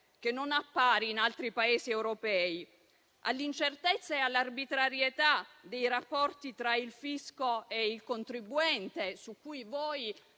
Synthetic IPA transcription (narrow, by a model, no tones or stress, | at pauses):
k̟enːonapːaːɾiːnalt̪ɾipaeːsiɛwɾopɛːi | ʔa̰lːint͡ʃert̪et̪sːaealːarbit̪ɾaɾjet̪ad̪ejɾapːɔrt̪it̪ɾailfiskoeilkont̪ɾibːuɛnt̪esukːujvɔːj